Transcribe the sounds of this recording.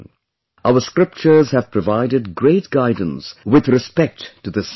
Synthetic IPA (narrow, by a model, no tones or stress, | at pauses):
ʔaʊəskɹɪp̚t͡ʃə˞zhæv̥pʰɹ̥əvaɪɾɨdɡɹeɪt̚ɡ̥aɪdə̃n̩swɪðɾɨspɛk̚ttɨðəs